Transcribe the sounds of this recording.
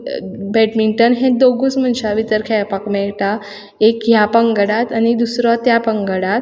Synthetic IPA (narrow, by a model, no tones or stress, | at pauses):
bɛʈmiɳʈənɦẽd̪oɡut͡sm̤ənɕaʋit̪əɾkʰepakmɛɭʈa | ekjapəŋɡəɽat̪anid̪usɾɔt̪japəŋɡəɽat̪